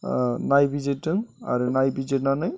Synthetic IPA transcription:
najbid͡ʒetɯŋa̰ɾɯnajbid͡ʒetnanɯj

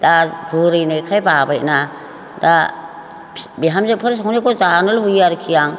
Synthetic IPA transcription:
d̥abʱuɾɯjnajkʰajbabajna | da | biɦamzepʰɯɾs̬awnekʰɔzanɔlbujaɾkʰijaŋ

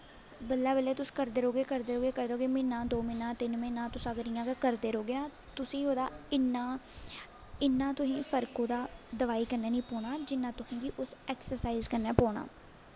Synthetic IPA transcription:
bəlːɛːbəleːt̪ʊsĩ̥ːkəɾd̪eːɾoːɡeːkəɾd̪eːɾoːɡeːkəɾd̪eoːɡeːmɪ̃ːnːãːd̪oːmɪnːãːt̪ɪnmẽːnãːt̪ʊsãːɡəɾijãːkakəɾd̪eːɾoːɡeːnãː | t̪ʊsĩːɦoːd̪aːɪnːãː | ɪnːãːt̪ʊsĩːpʰəɾkõːd̪aːd̪əʋaːiːkəɾnɛːnĩːpɔːɳaːd͡ʒɪnːãːt̪ʊsĩːɡ̪iːʔʊsɛːksəɾsaːiːzkəɾnɛːpɔːɳa̰ː

